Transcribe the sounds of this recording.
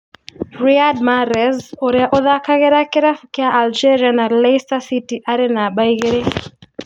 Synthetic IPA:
ɹiadmaɾɛzɔɾɛaʔɔðakaɣɛɾakɛɾafukiaʔald͡ʒɛɾianalɛjstasitiʔaɾɛnaɓaiɣɛɾɛ

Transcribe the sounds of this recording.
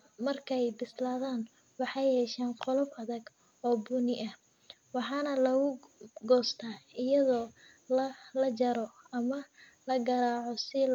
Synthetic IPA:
mɐrkʰɛjbɪslaːðaːn | wɑħɑjhɛːʃaːnqɔlɔbɐðɐɡ | ɔːbunɪʔɐh | wɑħɑːnɐlɐɣʊɡɔːst̪ʰaːɪjɐðɔː | lɐlɐt͡ʃɐɾɔ | ɐmɐ | lɐɡɐɾaːʕɔsɪ

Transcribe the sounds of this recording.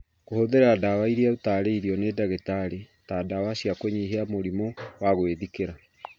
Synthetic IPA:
kohoðeɾadawaiɾiautaɾeiɾiɔnedaɣetaɾe | taːdawaɕiakweɲiɦeamoɾimowaɣweðikeɾa

